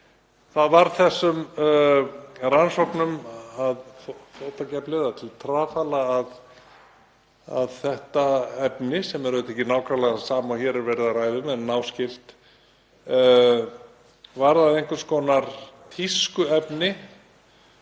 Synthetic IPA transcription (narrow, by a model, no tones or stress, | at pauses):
θaðvaɾθɛsːʏm | ransɔknʏmaðffowt̪acɛplɪðat̪ʰɪlt̪ʰɾaːfalaːð | a̰ðθɛht̪aɛpnɪsɛmɛɾʏt̪ɛhcɪnaːwkʰɾalaasaːmawçɛːɾɪɾvɛɾɪðaraːjðʏmɛnːaːwscɪl̥t̪ | vaɾðaðejŋkʏ̥skɔːnaɾ̥t̪ʰiskʏɛpnɪ